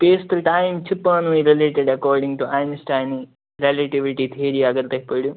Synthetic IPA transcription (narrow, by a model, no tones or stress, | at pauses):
peːst̪ʈajmt͡ʃipːaːnʋiɾileːʈeɖɐkoːɾɖiŋʈuʔajnsʈajni | ɾelɐʈiʋiʈit̪ʰiːɾijaːɡɐɾt̪ɐpːoːɽu